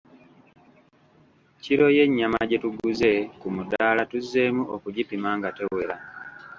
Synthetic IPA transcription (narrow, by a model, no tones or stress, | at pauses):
ciɾo̞je̞ɲːamaɟe̞tuɡuze̞kumudaːlatuzːe̞ːmuokuɟipimaːŋɡate̞we̞ɾa